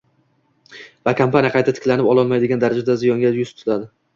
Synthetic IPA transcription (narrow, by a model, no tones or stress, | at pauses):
vakʰampanijaqʰɑjt̪ʰat̪ʰɪ̥kʲlanɪpɒlˠɒlˠmajd̪ɪɡʲand̪aɾad͡ʒad̪azɪjɒŋɡʲajʊst̪ʰʊ̥lad̪ɪ